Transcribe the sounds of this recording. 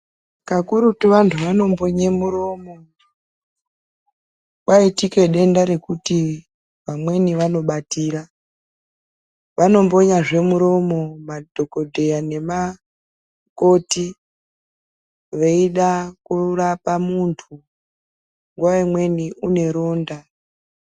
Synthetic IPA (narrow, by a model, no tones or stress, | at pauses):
kakuɾutiʋantʰuʋano̞mbo̞ɲemuɾo̞mo̞ | kwaitike̞ɗe̞ndaɾe̞kuti | ʋamwe̞niʋano̞ɓatiːɾa | ʋano̞mbo̞ɲaʐe̞muɾo̞mo̞madʱo̞ko̞dʱe̞jane̞ma | ko̞ti | ʋe̞iɗakurapamuntʰu | ŋɡwaemwe̞niʔune̞ɾo̞ːnda